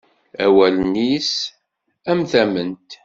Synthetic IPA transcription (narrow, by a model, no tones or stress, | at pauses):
æwælnis | æmθæmənt̪